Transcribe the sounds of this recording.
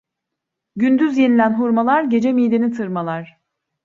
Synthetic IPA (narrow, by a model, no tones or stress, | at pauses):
ɟynd̪yzje̞nilʲænɦuɾmalˠaɾɟe̞d͡ʒemijd̪enit̪ʰɯɾmalˠaɾ̥